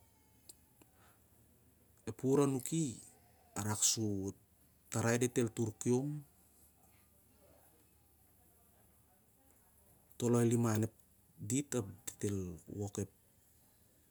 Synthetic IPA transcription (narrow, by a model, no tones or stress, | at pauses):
epuɾanuki | aɾaksu | taɾajdete̞ltuɾkiom | to̞loelimane̞p̚ | ditapdete̞lwoke̞p̚